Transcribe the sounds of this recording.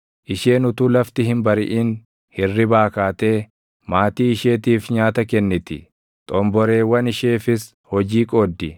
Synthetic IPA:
ʔɪʃe̞ːnʊt̪uːlɐft̪ɪɦɪmbɐɾɪ̰ʔiːn | hɪrːɪbaːkaːt̪e̞ː | maːt̪iːɪʃe̞ːt̪iːfɲaːt̪ɐkɛnːɪt̪ɪ̰ | t̪ʼɔmbɔɾe̞ːwɐnɪʃeːfɪs | hɔd͡ʒiːkʼoːd̪ːɪ

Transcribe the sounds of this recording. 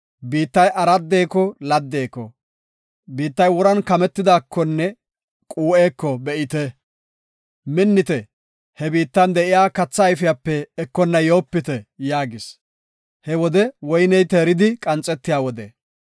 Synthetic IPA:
biːt̪ːɐjʔɐɾɐd̪ːe̞ːkɔlɐd̪ːeːkɔ | biːt̪ːɐjwɔɾɐnkɐmɛt̪ːɪd̪aːkʰːɔnːɛ | kʼuːʔe̞ːkːɔbɛʔɪt̪ɛ | mɪnːɪt̪ɛ | hɛbiːt̪ːɐnd̪ɛʔɪjaːkɐt͡sːɐjfɪjapːɛːkːɔnːɐjoːpːɪt̪ɛjaːɡɪs | hɛwɔd̪ɛwɔjnɛjt̪eːɾɪd̪ɪkʼɐnt͡sʼːɛt̪ːɪjaːwɔd̪ɛ

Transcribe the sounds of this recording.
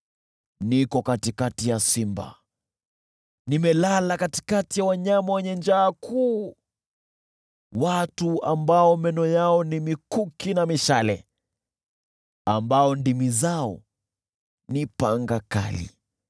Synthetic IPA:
nikɔkatikatijasimba̰ | nimɛlalakati̥katijawaɲamawɛɲɛnd͡ʒaːkʰuː | watuambaɔmɛnɔjaɔnimikukinamiʃalɛ | ambaɔndimizaɔ̰ | nipaŋɡaka̰lḭ

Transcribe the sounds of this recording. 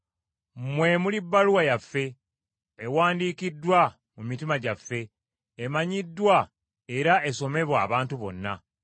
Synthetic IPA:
mwemulibːaluwajafːe̞ | ewaːndiːkidːwa | mumitimaɟafːe̞ː | maɲidːwa | eɾaʔe̞so̞me̞βwaːβaːntuβo̞̰nːa̰

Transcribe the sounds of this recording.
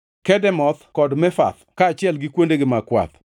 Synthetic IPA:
kɛdɛmɔt̪kɔdmɛfa̰t̪kaːt͡ʃɪɛlɡɪkwondeɡɪmakwa̰t̪

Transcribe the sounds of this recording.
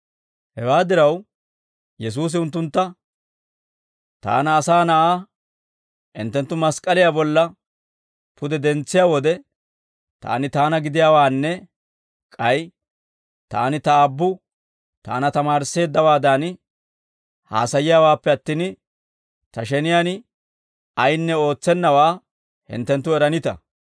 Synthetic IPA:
hɛwaːd̪ɪɾɐw | jɛs̬uːs̬ɪʊnt̪ːʊnt̪ːɐ | t̪a̰ːnɐːsaːnɐʔaː | ʔɪnt̪ːɛnt̪ːʊmɐskʼɐlɪjaːbɔlːɐ | pʰʊd̪ɛd̪ɛnt͡sːɪjaːwɔd̪ɛ | t̪a̰ːnɪt̪aːnɐɡɪd̪ɪjaːwaːnːɛ | kʼɐj | t̪a̰ːnɪt̪ɐːbːʊ | t̪a̰ːnɐt̪ɐmaːɾse̞ːd̪ːɐwaːd̪an | ha̰ːsɐjɪjaːwaːpːɛɐt̪ːiːn | t̪ɐʃɛnɪjaːn | ɐjnːɛo̞ːt͡sːɛnːɐwaː | hɪ̰nt̪ːɛnt̪ːʊɛɾɐnɪt̪ɐ̰

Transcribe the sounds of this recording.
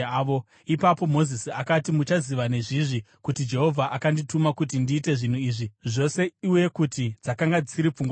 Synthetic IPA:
o | ipapo̞mo̞zisiakatimut͡ʃaziʋane̞ʐiʐi | kutid͡ʒe̞ɦo̞vʱaʔakanditumakut̬indiːte̞ʐin̤uiːʐiʐo̞se̞iuwe̞kutid͡zakaŋɡad͡ziɾip͡fuŋɡwa

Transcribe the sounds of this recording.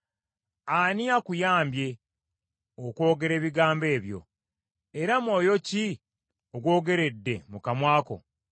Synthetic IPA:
aniakujaːmbje̞ | okwo̞ːɡe̞ɾe̞ːβiɡaːmbe̞ːβjo̞̰ | eɾamwo̞ːjo̞ci | oɡwo̞ːɡe̞ɾe̞dːe̞mukamwaːko̞̰

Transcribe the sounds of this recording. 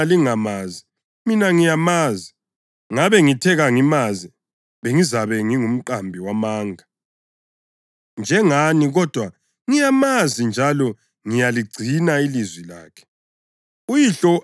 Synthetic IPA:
aliŋamaːzi | minaŋijamaːzi | ŋaβɛŋitʰɛɣaŋimazi | βeŋizaβɛŋiŋum̩ǃambʱiwamaːŋa | nd͡ʒʱɛŋaniɣɔd̥ʱwa | ŋijamazind͡ʒʱalɔ | ŋijaliɡ͡ǀʱinailizwila̰ːkʰɛ̥ | ujiɬɔ

